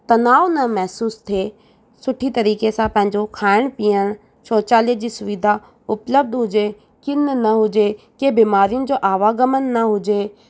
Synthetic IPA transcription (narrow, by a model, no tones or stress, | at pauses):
t̪ɐnaːʋnɐmɛɦsuːst̪ʰe | sʊʈʰit̪ɐɾiːkesãpɐ̃ɦɪ̃ɲd͡ʑokʰaːɪɽ̃piːəɽ̃ | ʃoːt͡ʃaːlied͡ʑiːsʊʋɪd̪ʱa | ʊpləb̚d̪ɦʊd͡ʑe | kɪnnɐɦʊd͡ʑe | keːbiːmaːɾijʊnɪ̆d͡ʑoːʔaːʋaːɡəmənːɐɦʊd͡ʑe